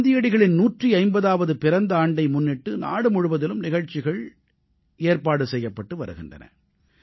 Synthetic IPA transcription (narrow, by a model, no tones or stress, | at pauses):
d̪ɪjɐɽɪɣɐɭɪnnuːʈriɐɪmbɐðaːʋɐðɯpɪɾɐnd̪ɐaːɳɖɐɪmʊnːɪʈːɯna̰ːɽɯmʊɻʊʋɐðɪlɯmnɪɣɐɻt͡ʃːɪɣɐɭ | eːɾpaːɽɯsɛjːɐpːɐʈːɯʋɐ̰ɾɯɣɪndrɐ̰nɐ̰